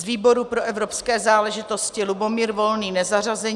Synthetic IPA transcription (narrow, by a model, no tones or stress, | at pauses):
zviːbo̞ɾupɾo̞ʔɛvɾo̞pskɛːzaːlɛʒɪt̪o̞scɪlubo̞miːɾvo̞lniːnɛzar̝azɛ